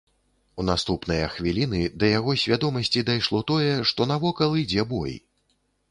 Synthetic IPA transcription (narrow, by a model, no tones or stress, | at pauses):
un̪ast̪upnɨjɐxvʲilʲinɨd̪ɐjaɣɔsʲvʲad̪ɔmɐsʲt͡sʲid̪ajʂlˠɔt̪ɔjɛʂt̪ɔnavɔkɐlˠɨd͡zʲɛbɔ̰j